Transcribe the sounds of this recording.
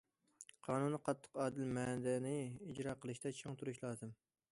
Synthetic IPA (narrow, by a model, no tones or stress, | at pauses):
qʰɑːnunːɨqʰɑt̪ʰːə̥qɑːd̪ɪlmɛd̪ɛnɪid͡ʒɾɑːqʰəlˠɨʃt̪ɛt͡ʃʰoŋt̪ʰuɾuʃlˠɑːzɨm